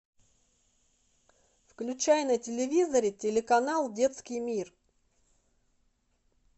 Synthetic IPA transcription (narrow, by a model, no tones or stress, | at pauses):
fklʲʉt͡ɕæjnətʲɪlʲɪvʲizəɾʲɪtʲɪlʲɪkɐnalˠdʲe̞t̪skʲɪjmʲir